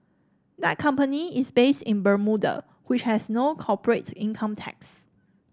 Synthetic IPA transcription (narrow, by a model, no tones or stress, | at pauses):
d̪ɛt̚kʰʌ̃mpəniɪsbestɪ̃nbəmudə̰ | wɪt͡ʃhɛsnokʰɔpəɹetĩnkʰə̃mtʰɛ̰ks